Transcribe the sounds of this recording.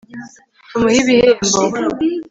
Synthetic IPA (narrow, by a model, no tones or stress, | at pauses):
tumuhiβihembo